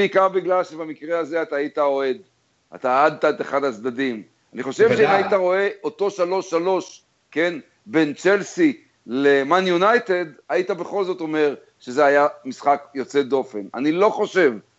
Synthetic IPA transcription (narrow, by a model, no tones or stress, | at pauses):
ikaʁbiɡlalʃebamikʁeaze̞at̪aːit̪ao̞e̞d̪ | a̰t̪aːad̪̚t̪aeteχadat͡sd̪adim | aniχo̞ʃevʃeimajit̪aʁo̞e̞ʔo̞t̪o̞ʃalo̞ʃːalo̞ʃ | ke̞n | be̞nt͡ʃe̞lsi | lemanjunajte̞dait̪abe̞χo̞lzo̞t̪o̞me̞ʁ | ʃe̞zeajamisχakjo̞t͡se̞d̪o̞fena̰nilo̞χo̞ʃe̞v